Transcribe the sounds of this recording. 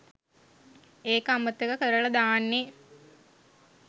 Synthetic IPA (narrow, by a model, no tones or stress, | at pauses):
eːkəamət̪ːekəkəɾəɭɐd̪aːnːe